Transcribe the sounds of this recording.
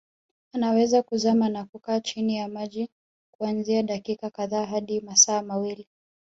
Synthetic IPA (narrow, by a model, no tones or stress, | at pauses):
anawɛzakuzamanakukaːt͡ʃinijamaʄi | kuanziaɗakikakaðaːɦaɗimasaːmawili